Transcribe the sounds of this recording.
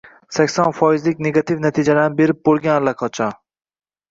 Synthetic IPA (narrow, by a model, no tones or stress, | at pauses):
sakʲsɒnfɒizlɪkʲneɡat̪ʰivnat̪ʰid͡ʒalanɪbe̞ɾɪp̚boɾɡʲanlakʰɒt͡ʃʰɒ